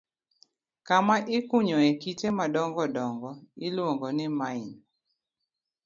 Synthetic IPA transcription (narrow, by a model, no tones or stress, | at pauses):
kamaʔɪkuɲɔekitemadɔŋɡɔdɔŋɡɔɪlwɔŋɡɔnɪmaɪn